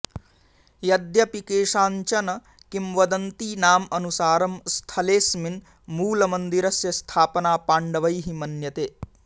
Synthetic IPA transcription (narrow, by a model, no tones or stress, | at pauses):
jɐd̪jɐpikeːʂaːɲt͡ʃɐnɐ | kimʋɐd̪ɐnt̪iːnaːmɐnusaːɾɐmst̪ʰɐleːsmin | muːlɐmɐnd̪iɾɐsjɐst̪ʰaːpɐnaːpaːɳɖɐʋɐjɦimɐnjɐt̪eː